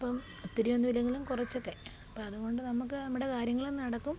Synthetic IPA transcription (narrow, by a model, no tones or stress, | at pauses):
ɐpːɐm | t̪ːiɾijonːuʋilɐŋːɡilumkurɐt͡ɕːo̞kːe̞ | ɐpːɐmɐðuɣo̞ɳɖɨnɐmukːɨɐmːuɽe̞kaːɾjɐŋːɐɭenːɨnɐɽɐkːum